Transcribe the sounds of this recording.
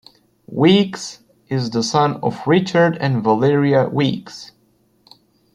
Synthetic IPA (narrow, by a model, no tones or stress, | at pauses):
wiks | ɪzðəsʌ̃nɔ̰vɹɪt͡ʃə˞dɨ̃nvəlɪɹiəwiks